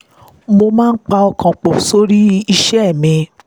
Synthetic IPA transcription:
mo˧mãː˦˧n̩˦k͡pa˧ɔ˧kʰã˨k͡po˨so˦ɾi˦i˧ʃɛ˦ɛ˦˨mĩ˧

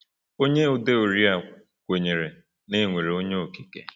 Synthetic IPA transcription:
o˦ɲe˦u˨de˦o˨ɾi˦a˨ | kʷe˨ɲe˨ɾe˨ | ne˦˨ŋʷe˨ɾe˨o˦ɲe˦o˨ki˦kḛ˨

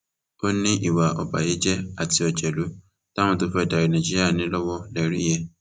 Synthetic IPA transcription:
o˦nĩ˦ʔi˦˨wa˨ɔ̰˨ba̰˨je˨˦d͡ʒɛ˦a˦˨ti˧˦ɔ˨d͡ʒɛ˨lu˨˦ | ta˦w̃ɔ̃˦to˧˦fɛ˦˨da˨ɾi˨nã˨d͡ʒi˦ɾi˦a˦˨nĩ˨˦lɔ˦wɔ˦lɛ˨ɾi˦jɛ˦

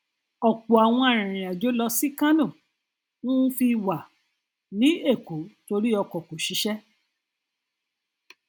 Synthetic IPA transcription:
ɔ˨k͡po˨a˨w̃ɔ̃˧a˨ɾ̃ĩ˨ɾ̃ĩ˨a˨d͡ʒo˨˦lɔ˧si˦kã˦nõ˦˨ | nũ˦fi˧wa˨ | nĩ˨˦e˦˨ko˨˦to˧ɾi˦ɔ˧kɔ˨ko˨ʃi˨˦ʃɛ˦

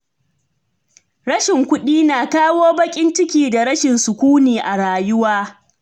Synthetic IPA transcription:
ɾɐ˦ʃɪ˨ŋkʷʊ˦ɗiː˦naː˨kaː˦woː˦bɐ˦kʲʼɪ˦nt͡ʃɪ˦kʲiː˨da˨ɾɐ˦ʃɪ˨nsʊ˨kʷuː˦niː˨ʔa˨ɽaː˨jʊ˦waː˦

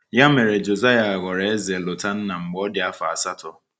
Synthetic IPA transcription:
ja˦me˨ɾe˨d͡ʒo˨za˦ja˨ɣɔ˨ɾe˨e˦ze˨lʊ˨ta˦n̩˦na˨ŋ͡m̩˨ɡ͡bɔ˦dɪ˨a˦fa˨a˨sa˦tɔ˦

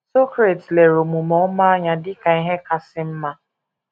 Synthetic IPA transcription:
so˦kɾe˨tle˨ɾo˨mu˨mɔ˦ma˦a˦ɲa˨dɪ˦ka˨i˦ɦe˦ka˨sɪ˦m̩˦ma˦

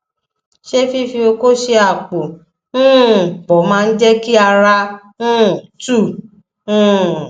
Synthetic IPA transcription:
ʃe˦fi˦fi˧o˧ko˦ʃe˧a˨k͡po˨ | ũ˦˨k͡pɔ˨˦mãː˦˧n̩˦d͡ʒɛ˦ki˦a˧ɾa˧ | nũ˦˨tũ˦˨˦

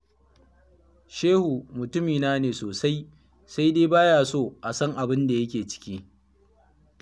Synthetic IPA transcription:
ʃeː˦hu˨mʊ˨tʊ˦miː˨naː˦neː˨soː˨sa˦j | sa˦jdeː˦baː˦jaː˨soː˦˨ʔa˨sɐ˦ŋʔa˨bɪ˦nda˨jɐ˦kʲeː˨t͡ʃɪ̥˦kʲiː˦

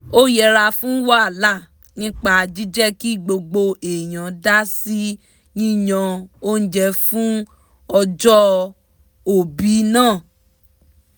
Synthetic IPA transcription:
o˦jɛ˦˧ɾa˧fũ˦wa˦a˨la˦˨ | nĩ˦k͡pa˧d͡ʒi˦d͡ʒɛ˦ki˦˨ɡ͡bo˧ɡ͡bo˧e˨j̃ã˨da˦si˦ | nĩ˦jã˧o˦n̩˦d͡ʒɛ˧fũ˦ | ɔ˧d͡ʒɔ˦ | o˨bi˨˦nãː˦˨

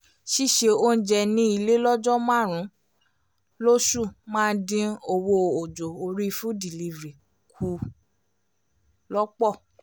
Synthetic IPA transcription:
ʃi˦ʃe˧o˦n̩˦d͡ʒɛ˧nĩ˦i˧le˦lɔ˦d͡ʒɔ˦mã˦˨ɾ̃ũ˨˦ | lo˦su˦˨mãː˦dĩ˧o˧wo˧o˨d͡ʒo˨o˧ɾi˦˧fũ˦di˨li˧vɾi˨ | kʰu˧˦ | lɔ˦k͡pɔ˦˨

